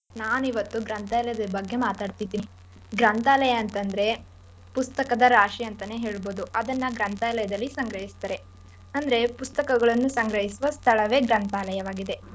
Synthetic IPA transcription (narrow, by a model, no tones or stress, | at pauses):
naːnuiʋɐt̪ːuɡɾɐnt̪aːlɐjɐd̪ɐbɐɡːemaːt̪aːɖt̪id̪ːiː | ɡɾɐnt̪aːlɐjɐːnt̪ɐnd̪ɐɾe̞ | pust̪ɐkɐd̪ɐɾaːʂiɐnt̪ɐne̞ɦeːɭboːd̪uɐd̪ɐnːɐɡɾɐnt̪aːlɐjɐd̪ɐlːisɐŋɡɾɐɦist̪ɐɾe̞ | ɐnd̪ɐɾe̞pust̪ɐkɐɡɐɭɐnːusɐŋɡɾɐɦisuʋɐst̪ʰɐɭɐʋe̞ːɡɾɐnt̪aːlɐjɐʋaːɡid̪e̞